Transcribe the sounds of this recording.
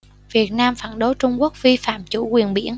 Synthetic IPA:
vi˨˩ət̚naː˧mfa̰ː˧˩nɗo˨˦jt͡ɕʊ˧ŋ͡mku˦˥ək̚vi˧fa̰ː˧˨mt͡ɕṵ˧˩kwi˨˩ənɓḭ˧˩ən

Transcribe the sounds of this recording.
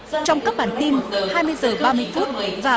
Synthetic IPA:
t͡ɕɔ˧wŋ͡mka˦˥p̚ɓaː˧˩nt̪i˧nhaː˧jmɨ˧əjzəː˨˩ɓaː˧mɨ˧əjfu˦˥t̚vaː˨˩

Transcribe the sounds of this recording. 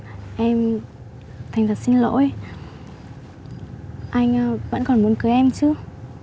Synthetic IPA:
ʔɛ˧m | t̪ʰa˨˩ŋzaː˨˩si˧nlo̰˧˥j | ʔa˧jŋ̟ː˧və̰˧˥nkɔ˨˩nmu˨˦nkɨ˨˦jʔɛ˧mt͡ɕɨ˧˦

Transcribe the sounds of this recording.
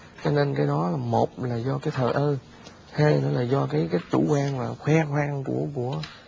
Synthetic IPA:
t͡ɕɔ˧ne˧nkaː˨˦jɗɔ˨˦laː˨˩mo˨˩t̚laː˨˩zɔ˧kaː˨˦jt̪ʰəː˨˩jʔəː˧ | haː˧jnɔ˨˦laː˨˩zɔ˧kaː˨˦jkaː˨˦jt̪ṵ˧˩kwaː˧nlaː˨˩xwɛː˧xwaː˧ŋkṵ˧˩əku˧˩ə

